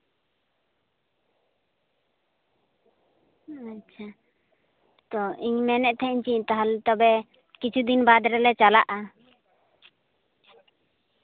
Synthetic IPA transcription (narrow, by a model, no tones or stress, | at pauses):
at͡ʃʰa | t̪ɔiɲmɛnɛʔt̪ʰɛiɲt͡ʃiɲt̪aɦalt̪ɔbɛ | kit͡ʃʰud̪inbad̪ɾɛlɛt͡ʃala̰ʔa